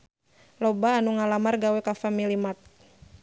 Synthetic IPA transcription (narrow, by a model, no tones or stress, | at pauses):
lɔbaːnuŋalamarɡawɛkafamilimat̪̚